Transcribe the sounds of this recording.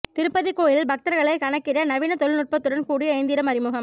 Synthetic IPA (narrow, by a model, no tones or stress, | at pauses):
t̪ɪɾɯpːɐðɪkːoːjɪlbɐk̚t̪ɐɾɣɐɭɐɪkɐɳɐkːɪrɐnɐʋɪnɐt̪ɔɭɪnʊʈ̚pɐt̪ːɯɽɐnkuːɽiɐɪnd̪ɪɾɐmɐɾɪmɯɣɐm